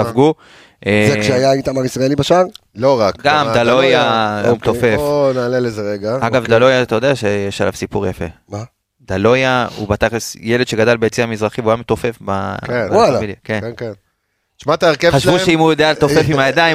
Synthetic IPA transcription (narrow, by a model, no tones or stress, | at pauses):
avɡu | ʔezekʃeajait̪amaʁisʁaelibaʃaʁloʁakɡamd̪alojaumt̪ofefnaːlelezeʁeɡaaɡavdalojat̪ajodeaʃejeʃala̰vsipuʁjafe̞̰ma | d̪alo̞jaṵbat̪aχlesjeled̪ʃeɡadalbeet͡siamizʁaχivujamet̪o̞fe̞fba̰ewalamiljakenken | ʃmat̪aeʁkevχaʃvuʃeimhujod̪ealetofefimajad̪ai